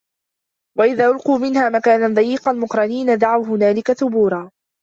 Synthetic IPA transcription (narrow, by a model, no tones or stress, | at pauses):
waʔɪðaːʔʊlquːmɪnhaːmakaːnand̪ˤɑjiːqɑlmʊqɾˤɑniːnad̪aʕawɦʊnaːlɪkaθʊbuːɾˤɑː